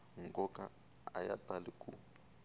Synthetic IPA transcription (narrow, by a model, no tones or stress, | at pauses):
ŋkʼɔka | a̰ja̰taliku